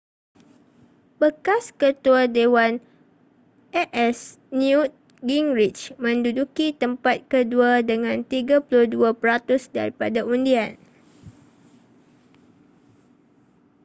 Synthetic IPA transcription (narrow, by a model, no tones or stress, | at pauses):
b̥əkaskət̪uadewan | ʔɛʔɛs | njut̪̚ | ɡiŋɹit͡ʃmə̃ndudukit̪əmpat̪̚kəduadəŋãnt̪iɡapuluduapɾat̪ʊsda̰ɾipadaʔundian